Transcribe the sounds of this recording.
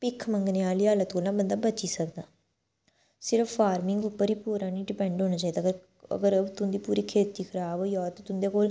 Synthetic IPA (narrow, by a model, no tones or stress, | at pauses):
pɪkʰːməŋɡneːaːliːɦaːlət̪koːlnãːbənd̪aːbət͡ʃiːsəkd̪aː | sɪɾəfːaːɾmɪŋɡʊpːəɾiːpuːɾãːnĩːɖɪpɛ̃ːɳɖɦoːnaːt͡ʃaːiːd̪aːɡɾ | ə̰ɡəɾət̪ʊnd̪iːpuːɾiːkʰeːt̪iːkʰəɾaːbjɔːt̪õːt̪ʊnd̪eːkoːl